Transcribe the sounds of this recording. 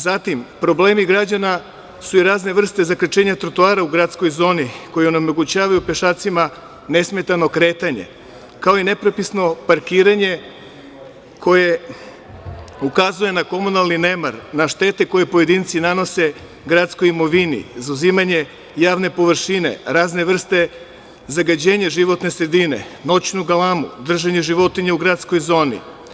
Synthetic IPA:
zat̪impɾo̞bleːmiɡɾad͡ʑana | suiɾaːzne̞ʋr̩st̪e̞zakɾet͡ʃe̞ːɲat̪ɾot̪uaːɾauɡɾat̪sko̞jzo̞ːniko̞jeo̞nemo̞ɡut͡ɕaːʋajupe̞ʃaːt̪sima | ne̞sme̞t̪ano̞kɾe̞ːt̪aɲe̞̰ | kao̞ine̞pɾo̞pisno̞paɾkiːɾaɲe̞ | kʰo̞je̞ | ukazuje̞nako̞munalˠnine̞maɾnaʃt̪e̞ːt̪eko̞je̞po̞je̞d̪int̪sinano̞se̞ | ɡɾat̪skojimo̞ʋinḭzauzimaɲe̞ | jaːʋne̞po̞ʋr̩ʃinḛɾaːzne̞ʋr̩st̪e̞ | zaɡad͡ʑeːɲaʒiʋo̞t̪ne̞sɾe̞d̪ine̞̰no̞t͡ɕnuɡalˠamṵd̪r̩ʒaɲe̞ʒiʋo̞t̪iɲeuɡɾaːt̪sko̞jzo̞ːnḭ

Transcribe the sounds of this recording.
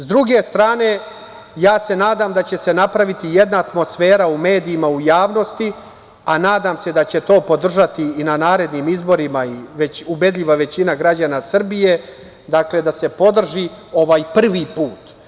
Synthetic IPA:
zd̪ɾuɡe̞st̪ɾaːne̞ | jaːse̞naːd̪amd̪at͡ɕe̞se̞napɾaʋit̪ijed̪naːt̪mo̞sfe̞ːɾaume̞ːd̪iːmaujaːʋno̞st̪i | anaːd̪aːmsed̪at͡ɕet̪o̞ːpo̞d̪r̩ʒat̪iːnanaːɾe̞d̪nimizbo̞ɾimaiʋeube̞d̪ʎʲiʋaʋe̞t͡ɕinaɡɾad͡ʑanasr̩bije̞ | d̪akle̞d̪ase̞po̞d̪r̩ʒio̞ʋaːjpr̩ʋipuːt̪

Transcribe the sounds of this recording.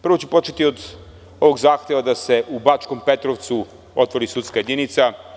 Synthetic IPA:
pɾr̩ʋo̞t͡ɕepo̞t͡ʃet̪iod̪ | o̞ʋo̞ɡzaːxt̪e̞ʋad̪ase̞ʔubat͡ʃko̞mpe̞t̪ɾoʋt̪su | ot̪ʋo̞ɾisut̪skaje̞d̪init̪sa

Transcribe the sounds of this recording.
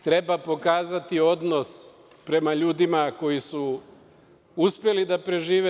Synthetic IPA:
t̪ɾe̞bapo̞kaːzat̪io̞d̪no̞s | pɾe̞maʎuːd̪imako̞jisu | uspje̞lid̪apɾe̞ʒiːʋe

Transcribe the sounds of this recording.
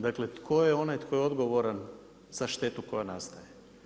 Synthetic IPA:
d̪aklet̪kʰo̞jeo̞najt̪kʰo̞jeod̪ɡo̞ʋoɾan | z̥aʃt̪e̞t̪uko̞janast̪aje

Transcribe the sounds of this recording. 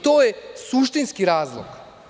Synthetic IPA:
t̪oːjesuʃt̪inskiɾaːzlˠo̰ɡ

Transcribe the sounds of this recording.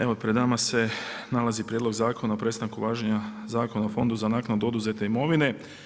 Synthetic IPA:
eʋo̞pɾed̪namase̞nalazipɾʲjed̪lo̞ɡzaːko̞naopɾe̞st̪aŋkuʋaːʒeɲazaːko̞naofo̞nd̪uzanaːknad̪uo̞d̪uze̞t̪e̞imo̞ʋine̞

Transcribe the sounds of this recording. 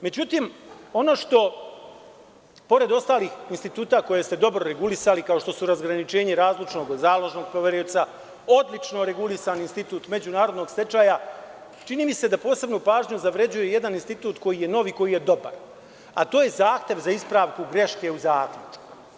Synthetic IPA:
me̞d͡ʑut̪iːmo̞no̞ʃt̪o̞ | po̞ɾe̞d̪o̞st̪aːliːxinst̪it̪uːt̪ako̞jest̪e̞d̪o̞bɾo̞ɾe̞ɡulisalikao̞ʃt̪o̞suɾazɡɾanit͡ʃe̞ːɲeɾaːzlit͡ʃno̞ɡzaːlo̞ʒno̞ːɡ̚pɾoʋeɾiot̪sa | o̞d̪lit͡ʃno̞ɾe̞ɡulisaːninst̪it̪uːt̪me̞d͡ʑunaːɾo̞d̪no̞ːɡst̪e̞t͡ʃaːja | t͡ʃiniːmise̞d̪apo̞ːse̞bnupaːʒɲuzaʋɾe̞d͡ʑuje̞je̞d̪aninst̪it̪uːt̪ko̞jije̞no̞ʋiko̞jije̞d̪o̞ba̰ɾ | a̰t̪o̞ːje̞zaːxt̪je̞ʋzaispɾaːʋkuɡɾe̞ʃke̞uzaːklʲut͡ʃku̥

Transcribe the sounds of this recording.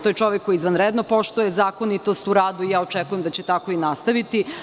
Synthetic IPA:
t̪ojet͡ʃo̞ʋekːo̞iːzʋanɾed̪nopo̞ʃt̪ujezaːkonit̪o̞st̪uɾaːd̪uijaːot͡ʃɛkujemd̪at͡ɕet̪ako̞inast̪aʋit̪i

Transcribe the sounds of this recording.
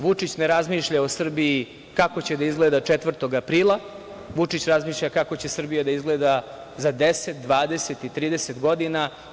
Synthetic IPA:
ʋut͡ʂit͡ɕneɾazmiːʃʎaosr̩biji | kako̞t͡ɕed̪aizɡled̪at͡ʂet̪ʋr̩t̪o̞ɡapɾiːlˠa | ʋut͡ʂit͡ɕɾazmiːʃʎʲakako̞t͡ɕe̞sr̩bijad̪aizɡled̪a | zad̪eset̪̚d̪ʋaːd̪eset̪it̪ɾiːd̪eset̪ɡo̞d̪ina

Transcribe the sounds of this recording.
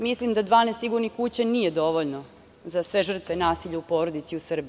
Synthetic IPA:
mislimd̪ad̪ʋaːnesiɡuɾnikut͡ɕanijed̪o̞ʋoʎno | zasʋe̞ʒr̩t̪ʋenaːsiʎaupoːɾod̪it̪siusr̩bi

